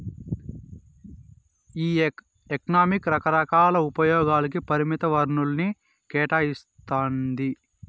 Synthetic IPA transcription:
iː | ekɐnaːmikɾɐkɐɾɐkaːlɐupɐjɔːɡaːlɐk̬ipɐɾimit̪ɐʋɐɾɳulɐni | kɛːʈaːjist̪aːnd̪i

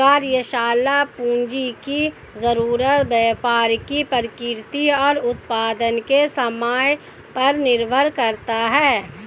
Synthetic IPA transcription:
kaːɾjəʃaːlapũːnd͡ʒiki | zəɾuːɾət̪bɛːpaːɾkipəɾkɪɾt̪iɔːɾʊt̪paːd̪ənkesɐmaːj | pɐɾnɪɾbʱəɾkɐɾt̪aɦɛː

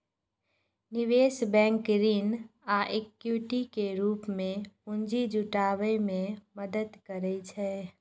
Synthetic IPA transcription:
nɪʋeːsbɛ̃ːŋkɾinaːʔekjuʈikeɾuːpmẽʊ̃nd͡ʒid͡ʒʊʈaːʋəjmẽməd̪əd̪kəɾɛt͡ʃʰɛː

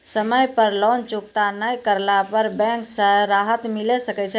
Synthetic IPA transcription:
səməjpəɾlɔnt͡ʃuk̚t̪anəjkəɾlapəɾbɛ̃ŋksə̃ɾaɦət̪milɛsəkɛt͡ʃʰɛ

